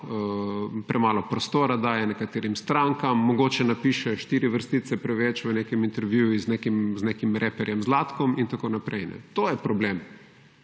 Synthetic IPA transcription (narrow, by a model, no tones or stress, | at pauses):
pɾʔɛmaːlɔpɾɔst̪oːɾad̪aːjɛnɛkat̪eːɾimst̪ɾaŋkamːɔɡoːt͡ʃɛnapiʃɛʃt̪iːɾiʋəɾst̪isɛpɾɛʋet͡ʃʋənekɛmint̪ɛɾʋjuiznekimznekimɾʔepɛɾjɛmzlaːt̪kɔmint̪akonapɾejnɛ̰t̪oːjɛpɾɔblem